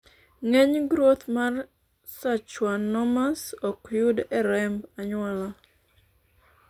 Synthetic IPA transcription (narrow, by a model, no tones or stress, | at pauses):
ŋeɲɡɾot̪mar | sat͡ʃwanɔmasɔkjudɛɾɛmbaɲwala